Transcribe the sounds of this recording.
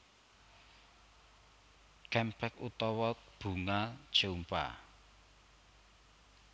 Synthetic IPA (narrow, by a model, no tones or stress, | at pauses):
kɛmpɛkut̪ɔwɔtb̥ṳŋad̥ʒ̥ompa̰